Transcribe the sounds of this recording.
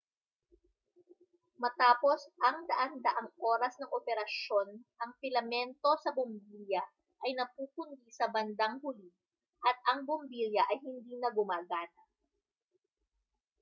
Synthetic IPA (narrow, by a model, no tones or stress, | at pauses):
mɐt̪aːpo̞sʔɐŋd̪ɐʔand̪ɐʔɐŋʔo̞ːɾɐsnɐŋʔopɛɾɐʃo̞nʔɐŋpɪlɐmɛnt̪o̞sɐbʊmbiljɐ | ʔɐjnɐpuːpʊnd̪isɐbɐnd̪ɐŋhʊli | ʔɐt̪̚ɐŋbʊmbiljɐʔɐjhɪnd̪iːnɐɡʊmaːɡaːnɐ